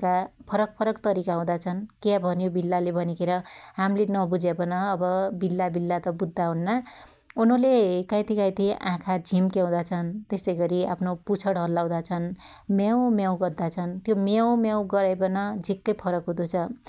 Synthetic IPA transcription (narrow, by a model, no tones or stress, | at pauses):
kapʰʌɾʌk̚pʰʌɾʌkt̪ʌɾikaɦũd̪at͡sʰʌnkjabʱʌnjobilːalebʱʌnikʰeɾʌɦamlenʌbud͡zebʌnʌːbʌbilːabilːat̪ʌbud̪ʱːaɦunːa | unʌlekʌ̃j̃t̪ʰikãj̃t̪ʰiʔãkʰad͡zʱimkjãw̃d̪at͡sʰʌnt̪esʌjɡʌɾia̰pʰnoput͡sʰʌɽɦʌlːaw̃d̪at͡sʰʌn | maw̃mjaw̃ɡʌrd̪at͡sʰʌnt̪jomaw̃mjaw̃ɡʌɾajpʌnʌd͡zʱikːʌjpʰʌɾʌkɦud̪ut͡sʰʌ